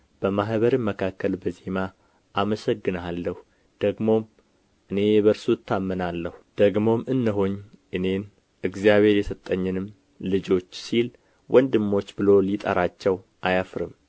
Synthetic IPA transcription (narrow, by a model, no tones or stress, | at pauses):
b̥əmaɦβəɾɨmːəkʰakːəlbəze̞ma | ʔaməsəɡːɨnalːəhu | d̪̥əɡmo̞m | ʔɨne̞βəɾsut̪ʰːamːənalːəhud̪̥əɡmo̞mɨnːɨɦoɲʔɨne̞n | ʔɨɡzijaβe̞ɾjɛsət̪ʼːəɲːɨnɨm | lɨd͡ʒo̞t͡ʃːsil | wʔɔnd̪ɨmːo̞t͡ʃːbɨlo̞lit̪ʼə̰ɾat͡ʃːɛw | ʔajafɾɨ̰m